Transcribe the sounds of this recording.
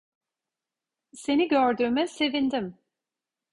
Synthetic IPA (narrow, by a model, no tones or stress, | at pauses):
se̞niɟøɾd̪yːmɛse̞vind̪im